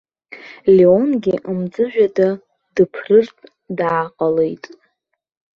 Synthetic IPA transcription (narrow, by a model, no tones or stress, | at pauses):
leonɡʲiʔamd͡zʼɨʒᶣada | d̥ɨpʰrɨrtʰʼ | daːqʼale̞jtʼ